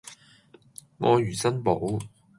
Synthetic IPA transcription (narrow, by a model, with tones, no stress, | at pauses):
ŋɔː˨˧jyː˨˩sɐ˥npo˨˥w